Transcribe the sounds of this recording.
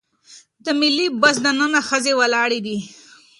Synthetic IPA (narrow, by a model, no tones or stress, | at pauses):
d̪əmɪlːibasd̪ənənaxəzewalɑɽed̪i